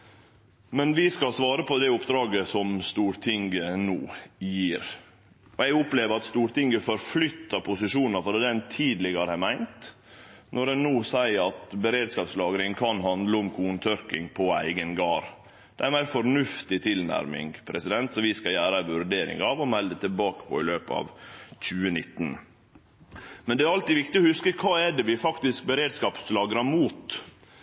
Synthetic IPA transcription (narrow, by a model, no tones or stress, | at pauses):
mɛnʋɪskɑlsʋɑːɾəpʰɔd̪ɛʊpːd̪ɾɑːɡəsɔmst̪uːɾt̪ʰɪŋɡənuːjiːɾ | ʔɔɛɡʊpleːʋəɾɑt̪st̪uːɾt̪ɪŋɡəfɔɾflʏt̪ːɑpʰʊsɪʂuːnɑɾfɔd̪eːd̪ɛnt̪ʰiːd̪lɪɡəɾəhæmæɪnt̪ | nɔdɛnːuːsæɪɑt̪bəɾeːd̪skɑːpslɑːɡɾɪŋkʰɑnɦɑnd̪ləʊmkʰuːnt̪ʰœɾkɪŋpʰɔæ̰ɪɡənɡɑːɾ | d̪̥ɛæɾmæɪɾfɔɾnʉft̪ɪt̪ʰɪlnæ̰ɾmɪ̰ŋpʰɾɛsɪd̪ɛnt̪sɔʋɪskɑjæːɾəʋʉɾɖeːɾɪ̰ŋɑʋɔmɛld̪ət̪ʰɪlbɑːkə̥pʰɔ̰ɪløːpəɑ̰ʋc͡çʉːənɪt̪ːn | mɛnd̪ɛæɾɑlt̪ɪʋɪkt̪ɪɔhʉskəkʰɑːɛɖ̪ɛʋɪfɑkt̪ɪsk̚bəɾeːd̪skɑːpslɑːɡɾɑmuːt̪